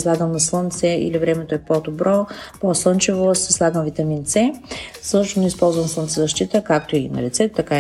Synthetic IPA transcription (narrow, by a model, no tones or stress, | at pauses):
slˠaɡəmnɐslˠɤnt̪sɛʔḭlivɾɛmɛt̪oɛpod̪obɾɔposlˠɤnt͡ʃivosɛ̥slˠaɡəmvit̪ɐmint̪sɛsɤʃt̪osnɛispɔlˠzvɐnslˠənsɛzɐʃt̪it̪əkak̚t̪oinɐ̰lit̪sɛt̪ot̪ɐka